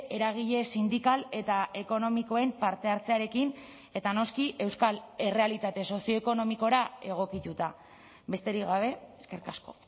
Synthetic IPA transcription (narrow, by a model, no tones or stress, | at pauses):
e̞ɾaɣ̞iʎe̞sind̪ikale̞t̪aʔe̞ko̞no̞miko̞e̞mpaɾt̪e̞aɾt͡se̞aɾe̞kin | e̞t̪ano̞skiʔe̞wskale̞re̞alit̪at̪e̞so̞sio̞eko̞no̞miko̞ɾae̞ɣ̞o̞kit̪ut̪a | be̞st̪e̞ɾiɣaβ̞e̞ːske̞ɾkasko̞̰